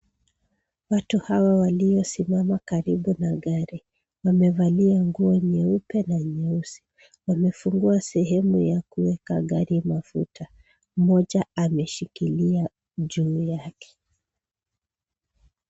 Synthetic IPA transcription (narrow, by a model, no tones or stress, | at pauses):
watuhawawalijɔsimamakaɾiɓunaɠaɾi | wamɛvaliaŋɡuɔɲɛupɛnaɲɛusi̥ | wamɛfuŋɡuasɛɦɛmujakuwɛkaɠaɾimafṵtʰa | mɔʄaamɛʃikilia | ʄuːjakɛ̥